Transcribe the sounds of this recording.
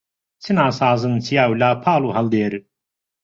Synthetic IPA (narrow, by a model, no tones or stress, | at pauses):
t͡sʰinaːsaːzənt͡sʰijawlaːpʰaːluɦɐld̪eːɾ